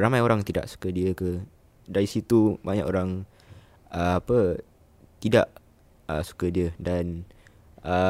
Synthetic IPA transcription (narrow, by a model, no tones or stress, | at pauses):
ramajoɾaŋt̪ida̰ʔsu̥kədiəkə | daɾisit̪ubaɲa̰ʔoɾaŋ | əapə | t̪ida̰ʔ | əsu̥kədiədan | ə